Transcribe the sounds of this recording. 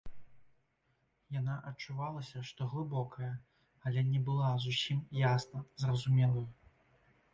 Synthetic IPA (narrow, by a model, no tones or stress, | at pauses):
janaʔɐt͡ʂːuvalˠɐsʲɐʂt̪ɔɣlˠɨbɔkʰɐjɐ | ɐlʲɛnʲɛbɨlˠazusʲimjasnɐzrɐzumʲɛlˠɐjɐ